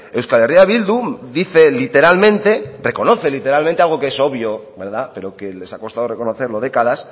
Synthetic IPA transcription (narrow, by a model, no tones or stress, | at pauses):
ewskaleriaβ̞ild̪ud̪iθe̞lit̪e̞ɾalmẽnt̪e̞re̞ko̞no̞θe̞lit̪e̞ɾalmẽnt̪ealɣ̞o̞keeso̞βjo̞be̞ɾðape̞ɾo̞ke̞le̞sako̞st̪aðo̞re̞konoθe̞ɾlo̞ð̞e̞kaðas